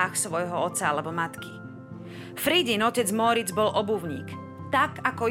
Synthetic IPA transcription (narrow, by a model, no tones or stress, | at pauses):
axsʋɔjɦɔɔt̪t͡saalɛbɔmat̪ki | fɾiɟinɔcɛd͡zmɔɾid͡zbɔlʔɔbuʊɲḭːk | t̪akakɔ